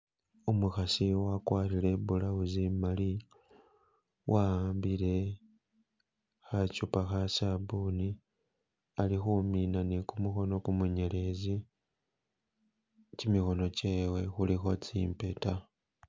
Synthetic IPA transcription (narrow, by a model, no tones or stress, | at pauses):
umuxasiwakwaːɾile̞bulauzimali | wʔambile̞ | xacupaxasabuni | alixuminanekumuxo̞no̞kumuɲe̞le̞zi | cimixo̞noceːwe̞xulixo̞t͡sḭmpe̞ta